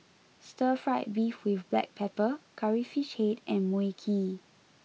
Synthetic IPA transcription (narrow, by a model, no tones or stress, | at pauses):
stəfɹaɪt̚bifwifblɛ̰k̚pʰɛpəkʰaɹifiʃhetʔɛ̃nmuikʰi